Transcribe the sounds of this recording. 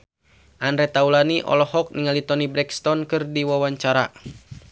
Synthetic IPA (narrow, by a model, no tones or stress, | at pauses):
ʔandɾɛt̪aulaniʔɔ̰lɔhɔk̚niŋalit̪ɔnibɾɛkst̪ɔnkɨrdiwawaɲt͡ʃaɾa